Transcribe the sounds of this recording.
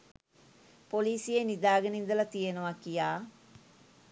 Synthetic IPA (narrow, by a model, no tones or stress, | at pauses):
poliːsijenid̪aːɡənind̪əlɐt̪ijenəʋakijaː